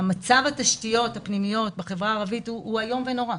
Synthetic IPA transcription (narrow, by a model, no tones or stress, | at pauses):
amat͡savataʃtijo̞thapnimijo̞t̚beχe̞vʁaːʁavituuajo̞mveno̞ʁa